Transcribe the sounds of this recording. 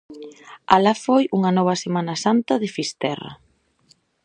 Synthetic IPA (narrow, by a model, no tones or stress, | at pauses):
alafojuŋɐnɔβ̞ɐsemanɐsant̪ɐðɪfist̪ɛra̰